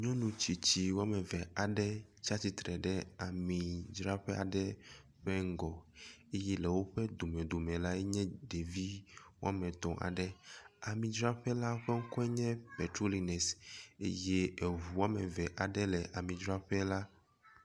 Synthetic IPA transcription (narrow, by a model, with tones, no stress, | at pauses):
ɲɔ̃˦nũ˨t͡ɕi˨t͡ɕi˨wo˦a˦mɛ̃˨vɛ˨a˨ɖɛ˦t͡ʃa˦t̪i˨t̪ɾɛ˨ɖɛ˦a˨mĩ˨d͡ʒɾa˦ɸɛ˦a̰˨ɖɛ˦ | ɸɛ˦ŋ̩˦ɡɔ˨e˦jɛ˦lɛ˨wo˦ɸɛ˦d̪o˨mɛ̃˨d̪o˨mɛ̃˨la˦ɛ˦ɲɛ̃˦ɖe˨vi˦wo̰˦a˦mɛ̃˨t̪ɔ̃˨ʔa̰˨ɖɛ˦a˨mĩ˨d͡ʒɾa˦ɸɛ˦la˦ɸɛ˦ŋ̩˦kɔ˦ɛ˦ɲɛ̃˦pɛ˨tɾo˦li˨nɛ˨sḛ˦je˦e˨ɦu˨wo˦a˦mɛ˨vɛ˨ʔa˨ɖɛ˦lɛ˨ʔa˨mĩ˨d͡ʒɾa˦ɸɛ˦la˦